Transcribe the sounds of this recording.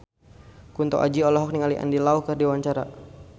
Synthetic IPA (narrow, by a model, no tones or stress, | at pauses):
kunt̪ɔ̰ʔa̰d͡ʒiɔlɔɦɔk̚niŋaliʔa̰ndilauhkərdiwaɲt͡ʃaɾa̰